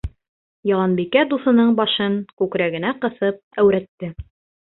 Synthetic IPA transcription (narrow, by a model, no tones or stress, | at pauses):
jɑlˠɑnbikæd̪uθɤ̆nɤɴbɑʃɤŋkʉkɾæɡɘ̆næqɤ̆θɤp̚æwɾæt̪ːɘ